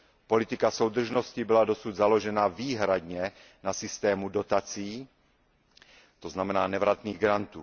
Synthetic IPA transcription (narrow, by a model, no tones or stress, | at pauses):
po̞lɪt̪ɪkaso̞wd̪r̩ʒnoscɪbɪlado̞sud̪zalo̞ʒɛnaviːɦɾad̪ɲɛ | nasɪst̪ɛːmudo̞t̪at͡siː | t̪oznamɛnaːnɛvɾat̪niːɣɡɾant̪uː